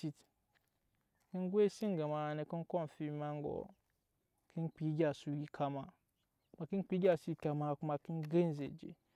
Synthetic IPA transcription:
si˨t | ki˦nɡwe˦si˦ŋɡa˨ma˨ne˨ki˦n˦ko˦˨n˨fi˦ma˦ŋɡo̰˨ | ki˦nk͡pi˨˦ɡʲa˨su˦ɡi˦kʰa˦ma˨ | ma˨ki˦n˦k͡pi˦ɡʲa˨su˦˨ka˨ma˦ku˦ma˨ki˦nɡe˦n˦zḛ˨d͡ʒḛ˨

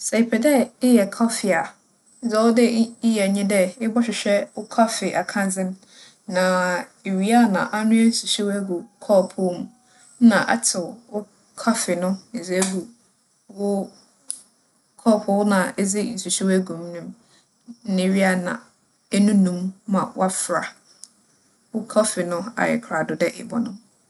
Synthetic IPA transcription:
sɛ˨pʰɛ˨dɛ˦ɪ˦jɛ˨kʰɔ˦fɪ˨a˨ | n̩˦d͡zɛ˨wʊ˦dɪ˦ɪ˦jɛ˨ɲɪ̃˦dɛ˦ɪ˦bɔ˦ɕᶣɪ˨ɕᶣɛ˦wʊ˦kʰa˦fɪ˨ʔa˨kʰã˦n˦d͡zɪ̃˦n | nã˨e˨ɥi˦a˦nã̰˨ʔa˦nʊ̃˦æ˦n̩˨su˨si˦wæ˦ɡu˨kʰɔː˦˨pʰʊ˦m˦ | nã˨ʔa̰˦tʰɪ˨wʊ˦ | kʰa˦fɪ˨nʊ̃˦e˨d͡zɡu˨ | wʊ˦ | kʰɔ˦˨pʰʊ˦nã˨ɛ˦d͡zɪ˦˨n̩˨su˨ɕɛ˦wæ˦ɡũ˨m˦nʊ̃˦m̩˦ | nɪ̃˨ɥi˦a˦˨nã̰˨ | ɛ˦nũ˦nũ˦mːã̰˨w̰a˦fɾa˨ | wʊ˦kʰɔ˦fɪ˨nʊ̃˦a̰˨jɪ̰˨kʰɾa˨dʊ˨dɛ˦ʔɛ̰˨bɔ̰˨nʊ̃˦m

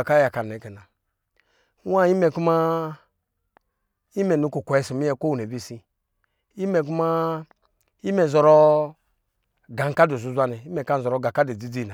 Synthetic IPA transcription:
a˨ka˦ja˨ka˨ne˨˦ke˨na˨˦ | wa˦i˦mɛ˨ku˦ma˦ | i˦mɛ˨nu˨˦ko˨kʷɛ˦˨si˨mi˦ɛ˦˨ko˦wu˨ne˨bi˦˨si˦ | i˦mɛ˨k̬u˦ma˦ | i˦mɛ˨zɔ˨ɾɔ˦ | ɡa˨ŋ˦ka˦do˨zu˨zʷa˦nɛ˨i˦mɛ˨ka˦n˨ɔ˨ɾɔ˨ɡa˨ka˦de˨d͡zi˦d͡zi˦˨na˨

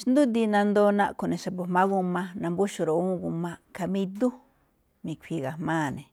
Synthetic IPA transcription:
ʃnd̪u˦d̪i˧nã˧nd̪o˦nã˦ʔku˨nẽ˨ʃa˨po˨mã˦ɣu˦˧mã˦nã˧mbu˦ʃu˧˨ɾo˨ũ˦˧ɡu˧mã˧ka˧mĩ˧d̪u˦ | mĩ˨kʷʰi˧ɣa˨mãː˦˨nẽ˨

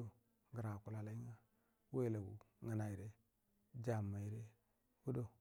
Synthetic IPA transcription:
o˦ | ɡa˨ɾa˨ku˨la˨la˨˦i˦ŋa˦ | we˦˨la˨ɡṵ˨ | ŋa˨na˨i˨ɾe˦ | d͡ʒa˨mːa˨i˨ɾe˦ | wu˦do˦

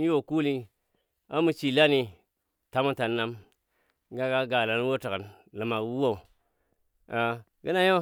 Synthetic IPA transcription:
jo˨ku˦li˦ | a̰˦mu˨t͡ʃi˨la˦ni˨ | ta˨mu˦ta˨nːa˦m˦ | ɡa˦ɡa˦ɡa˨la˨˦n˦wo˦ta˨kə˨n | lɨ˨ma˨kwu˦wo˨u˨ | a˨ | ɡə˦na˦jo˦

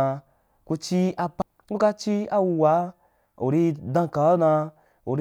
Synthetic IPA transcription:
a˧ | ku˧t͡ʃi˦a˧p | u˦ka˧t͡ʃi˦a˧wu˧wa˨˦ | ṵ˨ɾi˧dã˧ka˨a˦nã˧ | ṵ˨ɾ

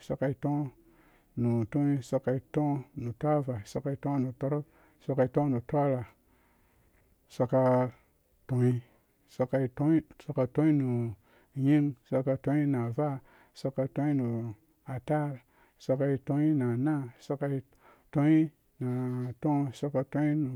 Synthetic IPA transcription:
so˧ka˧i˧to˦ | nu˨to˦i˦so˧ka˧i˦to˦nu˨tʷa˦va˨so˧ka˧i˦tõ˦nu˨to˦ɾo˦k̚ | so˧ka˧i˧˦tõ˦nu˨tʷa˦ɾa˨ | sa˧ka˧ | to˨i˦ | sa˧ka˧i˧to˦i˦so˧ka˧tõ˦i˦nu˨ | ji˦ŋso˧ka˧to˧˦i˦na˨va˦ | so˧ka˧tõ˦i˦nu˨ | a˨ta˦ɾ | so˧ka˧i˧to˦i˦na˨na˦so˧ka˧i˦ | to˦i˦ | na˨to˦˨so˧ka˧to˧˦i˦nu˨

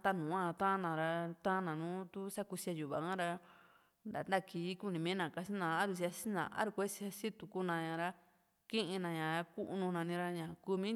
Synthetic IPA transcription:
t̪a˧nũː˨ã˧t̪ã˦nã˨ɾa˧t̪ã˦nã˨nũː˦t̪u˦sa˦ku˧si˧a˧ju˨βa̰˨kã˦ɾa˧ | nd̪a˨nd̪a˦˧˨kiː˧˨˦ku˦˧nĩ˧mĩ˦nã˨ka˧si˦nã˨˧a˦ɾu˧s̬i˧a˧si˦nã̰˨ʔa̰˦ɾu˧kʷe˦si˧a˧si˦t̪u˧ku˧nã˧ɲã˨ɾa˧ | kĩ˦ʔĩ˧nã˧ɲã˨ɾa˧ku˦ʔnũ˧nã˨˧nĩ˧ɾa˧ɲã˨ku˧mĩ˦

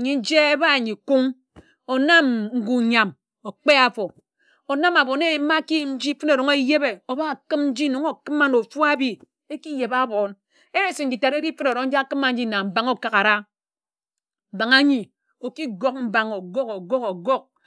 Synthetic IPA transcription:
ɲi˨n̩˦d͡ʒe˦e˦ba˦˨ɲi˨ku˦ŋ | o˨na˦mŋ̩˦ɡu˨ɲa˨m | o˨k͡pe˦a˨fo˨ | o˨na˦ma˨bo˨ne˦˨˦ma˦ki˦ji˨mn̩˦d͡ʒi˦fɨ˦no˨ɾo˨ŋe˦je˦be˨o˨ba˦˨kɨ˦mn̩˦d͡ʒi˦no˨˦ŋo˨kɨ˦ma˦no˨fu˦a˦bi˦ | e˦ki˦je˨ba˦bo˨n | e˦e˦si˨ŋ̩˦d͡ʒi˨ta˨ɾe˦ki˦fɨ˦no˨ɾo˨ŋn̩˦a˦kɨ˦ma˨n̩˦d͡ʒi˦na˨m̩˨ba˨ŋo˦ka˨ka˨ɾa˦ | m̩˨ba˨ŋa˦ɲi˨ | o˨ki˦ɡo˦k̚m̩˦ba˨ŋo˨ɡo˦ko˨ɡo˦ko˨ɡo˦k̚

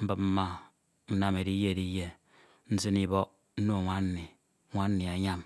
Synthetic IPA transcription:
m̩˦bɨ˨p̚m̩˦ma˦ | n̩˦na˦me˨ɾi˦je˦˨di˦je˦ | n̩˦zi˦ni˨bɔ˦ʔ | n̩˦no˦˨ŋʷa˦n˦ni˨˦ | ŋʷa˦n̩˦ni˨a˨ɲa˦m

